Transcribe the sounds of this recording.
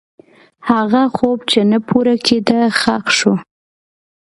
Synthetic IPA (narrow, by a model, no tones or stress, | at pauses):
haɣaxobt͡ʃenəpʰuɾakʰed̪əxaqʃu